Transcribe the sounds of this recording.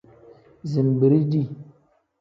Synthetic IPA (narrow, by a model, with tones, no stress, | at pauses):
zi˨nbi˨ɾi˦di˦˨